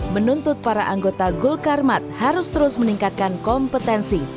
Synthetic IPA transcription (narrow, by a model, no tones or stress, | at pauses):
mənunt̪ʊt̪̚paɾaʔaŋɡot̪aɡulkarmat̪̚haɾʊst̪əɾʊsməniŋkat̪̚kankɔmpət̪ɛnsi